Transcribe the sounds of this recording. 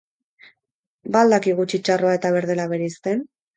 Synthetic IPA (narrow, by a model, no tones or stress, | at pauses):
baːld̪akiɣ̞ut͡ʃit͡ʃaro̞ae̞t̪aβ̞e̞ɾðe̞laβe̞ɾeist̪en